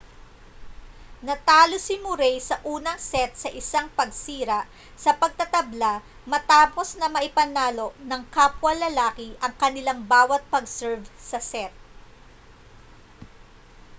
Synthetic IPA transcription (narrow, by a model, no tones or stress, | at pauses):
nɐt̪aːlosɪmʊɾɛjsɐʔuːnɐŋsɛt̪̚sɐʔɪsaŋpɐɡsiːɾɐʔ | sɐpɐɡ̚t̪ɐt̪ɐbla | mɐt̪aːpo̞snɐmɐʔɪpɐnaːlo̞ʔnɐŋkaːpwɐlːɐlaːkɪʔɐŋkɐnɪlaŋbaːwɐt̪̚pɐɡsɛɹvsɐsɛt̪̚